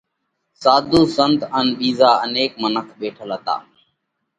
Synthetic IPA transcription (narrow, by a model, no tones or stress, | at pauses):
saːd̪ʱuːsənt̪ənɓiːzaːəneːkmənəkʰɓeːʈʰəlɦət̪a̰ː